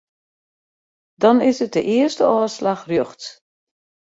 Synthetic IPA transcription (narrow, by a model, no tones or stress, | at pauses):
dɔnɪsət̚dəʔɪərstəɔːslaxrjøxt